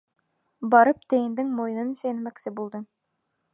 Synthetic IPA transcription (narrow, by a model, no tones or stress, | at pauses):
bɑɾɤp̚t̪æ̆jɘ̆nd̪ɘŋmoj̆nɤnisæjnmæksɘbulˠd̪ɤ